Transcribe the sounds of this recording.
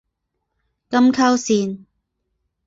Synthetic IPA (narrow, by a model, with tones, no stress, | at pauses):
kɐ˥mkʰɐ˥wsiː˨˩n